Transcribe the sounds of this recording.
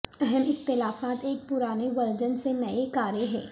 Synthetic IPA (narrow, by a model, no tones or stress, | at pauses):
ɛɦɛmɪxt̪ɪlaːfaːt̪eːk̚pʊɾaːneʋɐɾd͡ʒənsenɐekaːɾeɦɛ̰ː